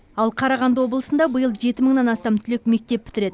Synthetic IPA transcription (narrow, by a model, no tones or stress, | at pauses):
ɑlˠqʰɑɾɑʁɑnd̪əwo̞blˠəsənd̪ɑbəjəlˠʒe̞t̪ɪməɴnɑnɑst̪ɑmt̪ʰʏlek̚me̞k̚t̪e̞pːʰɪ̥t̪ɪɾe̞d̪ɪ